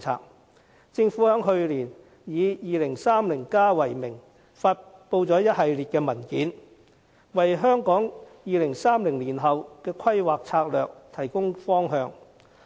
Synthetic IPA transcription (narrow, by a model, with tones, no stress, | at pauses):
t͡sʰa̰ː˧k̚ | t͡sɪ˧ŋfu˨˥hœː˨˥ŋɦɵ˧ɥliː˨˩n | jiː˨˧jiː˨lɪ˨˩ŋsaː˥mlɪ˨˩ŋkaː˥wɐ˨˩jmɪ˨˩ŋ | faː˧t̚po˧wt͡sɔː˨˥jɐ˥t̚hɐ˨˧jliː˨t̚kɛː˧mɐ˨˩nkiː˨˥n | wɐ˨jɦœː˥ŋkɔː˨˥ŋjiː˨˧lɪ˨˩ŋsaː˥mlɪ˨˩ŋliː˨˩nɦɐ˨wkɛː˧kʰɐ˥jwaː˨k̚t͡sʰaː˧k̚lœː˨k̚t̪ʰɐ˨˩jkʊ˥ŋfɔː˥ŋɦœː˧ŋ